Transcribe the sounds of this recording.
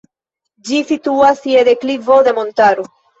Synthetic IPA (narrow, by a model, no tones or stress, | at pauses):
d͡ʒisituasied̪e̞klivo̞d̪e̞mo̞ntaɾo